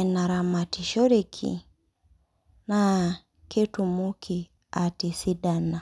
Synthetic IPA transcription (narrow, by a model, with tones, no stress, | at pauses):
na˨ɾa˨ma˨ti˨ʃɔ˦ɾe˦kʰḭ˨ | na˦ | ke˦tu˨mu˦kʰi˨ | a˨ti˨si˦da˦na˨